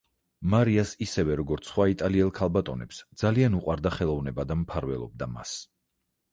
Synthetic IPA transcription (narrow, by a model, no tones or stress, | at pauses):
maɾiasisɛvɛɾɔɡɔɾt̪sʰχwait̪ʼaliɛlˠkʰalˠbat̪ʼɔnɛpsd̪z̥alianuqʼwaɾd̪aχɛlˠɔvnɛbad̪ampʰaɾvɛlˠɔ̰b̚d̪ama̰s